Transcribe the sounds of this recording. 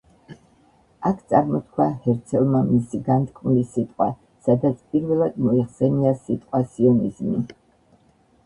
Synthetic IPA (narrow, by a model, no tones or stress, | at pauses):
akʰt̪sʼaɾmɔt̪̚kʰwahɛɾt̪sʰɛlˠmamisiɡant̪ʼkʼmlisit̪ʼqʼwa | sad̪at̪sʰpʼiɾvɛlˠad̪mɔiχsɛniasit̪ʼqʼwasiɔnizmi